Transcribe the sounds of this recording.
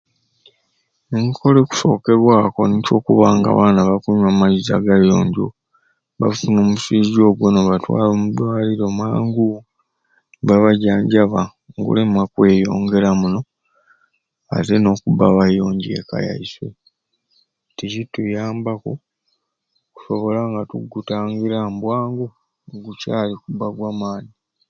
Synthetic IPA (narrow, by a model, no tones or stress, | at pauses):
eŋkʰo̞leku̥so̞ːke̞βwaːko̞nico̞ːkuβaːŋɡa̰βaːnaβakuɲwamaizaɡajo̞̰ːɲɟo̞̰ | βafuno̞ːmusiːzo̞ːɡwenoβatwa̰ːloːmudwaːliɾo̞maːŋɡu | βaβaɟaːɲɟaβa | ŋɡṵle̞makwe̞ːjo̞̰ːŋɡe̞ɾamuno̞ | a̰te̞no̞kubaβajo̞ːɲɟḛka̰ja̰iswḛ | ticitujaːmbako | ku̥so̞βo̞laŋɡatuɡutaːŋɡiɾambwaːŋɡo | oɡucaːlikubaɡwamaːɲi